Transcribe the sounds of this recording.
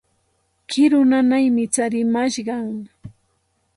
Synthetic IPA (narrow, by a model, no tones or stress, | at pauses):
kɪɾʊnanajmɪt͡saɾɪmaʃɢɑŋ